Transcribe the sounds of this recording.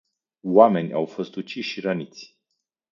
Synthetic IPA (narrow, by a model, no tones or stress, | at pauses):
wame̞nʲa̰wfo̞st̪ut͡ʃiʃʃiɾənit̪sʲ